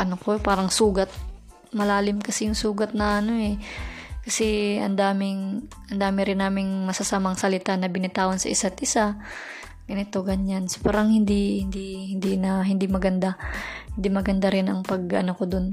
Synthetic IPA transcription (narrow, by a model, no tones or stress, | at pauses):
ʔɐnokopaːɾɐŋsuːɡɐt̪̚ | mɐlaːlɪmkɐsɛjʊŋsuːɡɐt̪̚nɐʔɐno̞ʔɛkɐsɛɐ̰nd̪aːmɪŋʔɐnd̪aːmɪɾɪnːaːmɪŋmɐsɐsamaŋsɐlɪt̪anɐbɪnɪt̪aːwɐnsɐ̰ʔɪsat̪ʔɪsa | ɡ̥ɐnɪt̪o̞ɡɐɲanso̥paːɾɐŋhɪnd̪ihɪnd̪ihɪnd̪inɐɦɪnd̪imɐɡɐnd̪ahɪnd̪imɐɡɐnd̪aɾɪnʔɐŋpɐɡɐ̰nokod̪on